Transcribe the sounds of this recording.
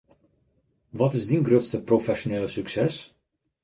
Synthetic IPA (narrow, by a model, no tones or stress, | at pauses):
ʋɔtɪsdinɡrøtstəprofɛʃoneːləsyksɛs